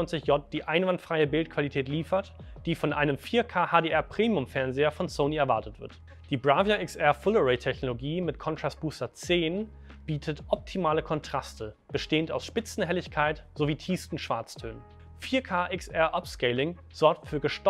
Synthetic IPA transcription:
ɔɪnt͡sɪçjɔt̚d̥iːʔaɪnvantfʁ̥aɪəbɪltkʰv̥alitʰɛːtliːfɐtd̥iːfɔnʔa̰ɪnəmfiːɐkʰaːhaːdeːʔɛɐpʁ̥eːmiʊmfɛɐnzeːɐfɔnsoʊniɛɐvaɐtətv̥ɪ̰ɐt | d̥iːbʁaːvɐʔɪksʔɛɐfʊloʁɛɪtʰɛçnoloɡiːmɪtkʰɔntʁ̥ast̚b̥uːstɐt͡seːn | b̥iːtʰətʔɔp̚tʰimaːləkʰɔntʁ̥astʰəb̥əʃteːənta̰ʊsʃpɪt͡sn̩ɦɛlɪçkʰaɪtz̥oviːtʰiːstn̩ʃv̥aɐt͡stʰø̰ːn | fiːɐkʰaːʔɪksʔɛɐʔɔpskɛɪlɪŋ | z̥ɔɐk̚tfyːɐɡəʃt

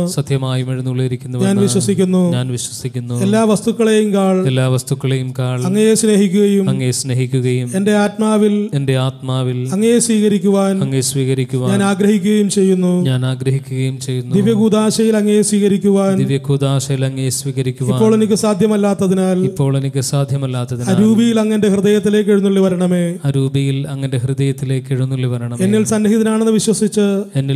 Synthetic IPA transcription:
sɐt̪ʰjɐmaːjumiɽunːuɭːejɾikʲːunːɐɲaːnʋiɕwɐsikʲːunːuɲaːnʋiɕwɐsikʲːunːue̞lːaːʋɐst̪ukːɐɭejumkaːɭelːaːʋɐst̪ukːɐɭejumkaːɭɐŋːɐnejesne̞ːɦikʲːuɣɐjumɐŋːesne̞ːɦikʲːuɣɐjume̞nde̞aːtmaːʋilende̞aːt̪maːʋilɐŋːɐejesʋiːɣɐɾikʲːuʋaːnɐŋːesʋiːɣɐɾikʲːuʋaːɲaːnaːɡɾɐhikʲːuɣɐjumt͡ɕe̞jːunːuɲaːnaːɡɾɐɦikʲːuɣɐjumt͡ɕe̞jːunːd̪iʋjɐɡuːd̪aːɕɐjilɐŋːɐnjesʋiːɣɐɾikʲːuʋaːnd̪iʋjɐkuːd̪aːɕɐjilɐŋːɐjesʋiːɣɐɾikʲːuʋiaːpːo̞ːɭe̞nikʲːɨsaːd̪ʱjɐmɐlːaːt̪ːɐðinaːlipːo̞ːɭenikʲːɨsaːd̪ʱjɐmɐlːaːt̪ːɐðinaaːɾuːbijilɐŋːɐnde̞hrɨðɐjɐt̪ːile̞ːk̬ːeɻunːuɭːiʋɐɾɐɳɐme̞ːaɾuːbɐjilɐŋːɐnde̞hrɨd̪ɐjɐt̪ːileːkːeɻunːuɭːiʋɐɾɐɳɐmenːilsɐnːɐɦiðɐnaːɳe̞nːɨʋiɕwɐsit͡ɕːɨenːi

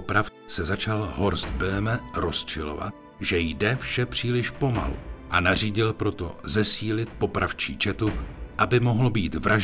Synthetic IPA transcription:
pɾafsɛzat͡ʃalɦo̞ɾst̪bɛmɛɾo̞st͡ʃɪlo̞̰va̰t̪̚ | ʒɛjdɛfʃɛpr̝̥iːlɪʃpo̞ma̰lṵʔanar̝iːɟɪlpɾo̞t̪o̞̰zɛsiːlɪt̪̚po̞pɾaft͡ʃḭːt͡ʃɛt̪uʔabɪmo̞ɦlobiːt̪vɾʔaʒ

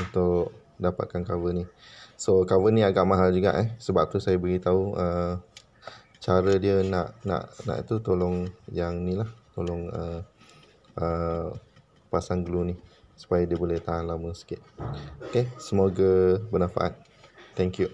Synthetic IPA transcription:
unt̪ʊʔ | dapa̰t̪̚kankawənisokawəniaɡaʔmaɦald͡ʒuɡa̰ʔɛsəbap̚t̪usajabəɡit̪auʔə | t͡ʃaɾədiəna̰ʔna̰ʔna̰ʔt̪ut̪olɔŋjaŋnĩlaht̪olɔŋə | ʔə | pasanɡluni | su̥pajadiəbolɛht̪aɦanlaməsə̥kɪʔ̪̚okesəmoɡəbənãfa̰ʔa̰t̪̚ | t̪ɛŋkju

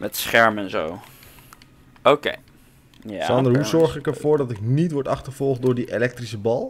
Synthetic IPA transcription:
mɛtsχɛɹmɛnzo̰w | owkḛj | sɑndəɹɦuzɔɹχɪkɛɹvʊːɹdɑtɪk̚nitʋɔɹtɑχtəv̥ɔlˠχt̚doːɹdiʔelɛk̚trisəbɑlˠ

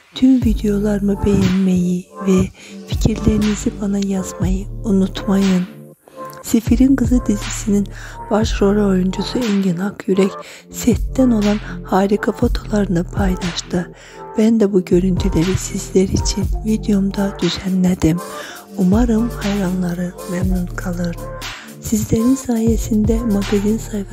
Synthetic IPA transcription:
t̪ʰymvid̪ejo̞lˠaɾɯmɯbe̞jɛnme̞jivɛfi̥cʰiɾlʲe̞ɾinizibanajaz̥majɯunut̪majɯn | sifiɾinkɯzɯd̪izisininb̥aʃɾo̞ɾaojund͡ʒusuɛnɟynhakjyɾɛc | sɛt̪ʰːɛno̞lˠanhaːɾikʰafo̞t̪ʰo̞lˠaɾɯnɯpʰajlˠaʃt̪ɯ | b̥ænd̪ɛbuɟø̞ɾynt̪ʰylʲeɾisizlʲæɾit͡ʃʰinvid̪ijomd̪ad̪̥yz̥ɛnlʲed̪im | umaɾɯmhajɾanlˠaɾɯmɛmnunkʰalˠɯɾ | sizlʲeɾinsaːjesind̪ɛmaɡazinsajf

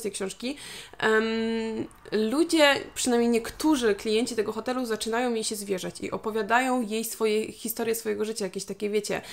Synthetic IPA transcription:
t̪ɛjkɕɔ̃w̃ʂkʲi | m | lud͡ʑɛpʂɘnajmɲejɲɛkt̪uʐɘklʲijɛɲt͡ɕit̪ɛɡɔxɔt̪ɛluzat͡ʂɘnajɔ̃w̃jejɕɛzvʲjɛʐat͡ɕḭʔɔpɔvʲjad̪ajɔ̃w̃jejsfɔjɛxʲist̪ɔɾjɛsfɔjɛɡɔʐɘt͡ɕajakʲeɕt̪akʲɛvʲjet͡ɕɛ̰

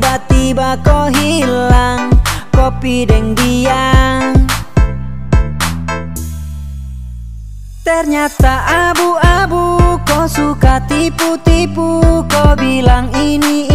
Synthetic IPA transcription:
bat̪ibakɔɦilaŋkɔpidɛŋdiaŋ | t̪ɛrɲat̪aʔabuabukɔsukat̪iput̪ipukɔbilaŋini

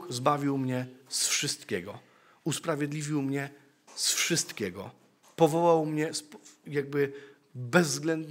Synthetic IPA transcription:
xzbavʲiwmɲɛsfʂɘst̪kʲɛɡɔ | uspɾavʲjɛd̪lʲivʲiwmɲɛ | sfʂɘst̪kʲɛɡɔ̰ | pɔvɔwawmɲɛspjaɡ̚bɘ | bɛzːɡlɛnd̪

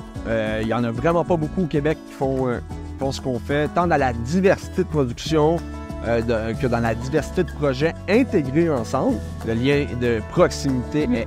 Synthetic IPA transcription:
øiljɑ̃nʌvʁɛmɑ̃pʌbukuokʲebɛkːi̥fɔ̃fɔ̃sə̥kɔ̃fɛt̪ɑ̃d̪ɑlad̪ivɛʁsi̥t̪ed̪əpʁɔdzyksjɔ̃ | ød̪kəd̪ɑ̃lad̪ivɛʁsi̥t̪ed̪əpχɔʒɛɛ̃t̪eɡʲʁeɑ̃sɑ̃bl | d̪əljɛ̃d̪əpχɔksimit̪e

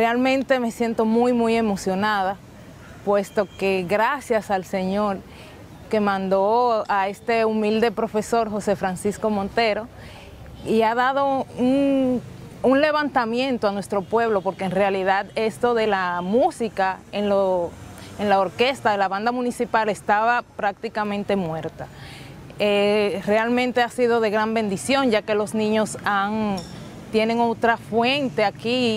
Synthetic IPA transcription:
realmẽ̞nt̪e̞me̞sje̞nt̪o̞mujmuje̞mo̞sjo̞naða | pwe̞st̪o̞ke̞ɣɾasjasalse̞ɲo̞ɾ | ke̞mãnd̪o̞ae̞st̪e̞umild̪e̞pɾo̞fe̞so̞ɾxo̞se̞fɾansisko̞mo̞nt̪e̞ɾo̞ | iaðað̞o̞un | unle̞β̞ant̪amjẽ̞nt̪oanwe̞st̪ɾo̞pwe̞β̞lo̞po̞ɾkeːnrealiðaðe̞st̪o̞ðe̞lamusikaenlo | enlaoɾke̞st̪aðe̞laβand̪amũnisipale̞st̪aβapɾak̚t̪ikamẽnt̪e̞mwe̞ɾt̪a | ere̞almẽ̞nt̪e̞asiðo̞ðe̞ɣɾambẽ̞nd̪isjo̞ŋd͡ʒake̞lo̞snĩɲo̞saŋ | t̪je̞ne̞ŋo̞t̪ɾafwe̞nt̪e̞aki

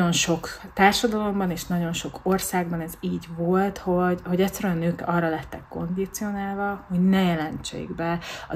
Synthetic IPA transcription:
o̞nʃo̞kt̪aːrʃɒd̪ɒlo̞mbɒneːʃnɒɟo̞nʃo̞korsaːɡbɒnɛziːɟvo̞lt̪ho̞ɟho̞ɟɛt̪sːɛɾyɛɒnøːkɒrːɒlɛt̪ːɛkːo̞̰nd̪it̪sio̞naːlvɒho̞ɟnɛjɛlɛnt͡ʃḛːɡbɛɒ̰

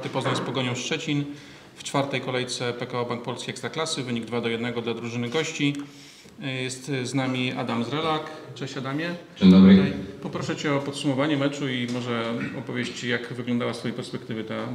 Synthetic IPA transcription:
t̪ɘpɔznajspɔɡɔɲɔ̃w̃st͡ʂɛt͡ɕin | ft͡ʂfaɾt̪ɛjkɔlɛjt̪sɛpɛkaɔbaŋk̚pɔlskʲiɛkst̪ɾaklasɘvɘɲiɡd̪vad̪ɔjɛd̪nɛɡɔd̪lad̪ɾuʐɘnɘɡɔɕt͡ɕi | jɛst̪znamʲiʔa̰d̪amzɾɛlakt͡ʂɛɕad̪amʲjɛd͡ʑed̪ɔbɾpɔpɾɔʂɛt͡ɕɛɔpɔt̪sumɔvaɲɛmɛt͡ʂuimɔʐɛɔpɔvʲjeɕt͡ɕjakvɘɡlɔnd̪awasfɔjejpɛɾspɛkt̪ɘvɘt̪a

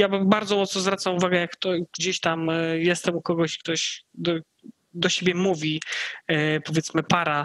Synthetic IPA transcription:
jabbaɾd̪zɔmɔt̪snɔzvɾat̪samuvaɡɛjakːt̪ɔɡd͡ʑeɕt̪amjɛst̪ɛmukɔɡɔɕkt̪ɔɕd̪ɔ | d̪ɔɕebʲjɛmuvʲi | pɔvʲjɛt̪smɘpaɾa

